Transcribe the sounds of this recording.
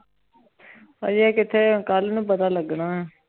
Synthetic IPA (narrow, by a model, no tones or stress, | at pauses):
hã̰ːd͡ʒiɛːkɪt̪ʰeːkəlnũːp̬ət̪aːləɡɳaːɦɛː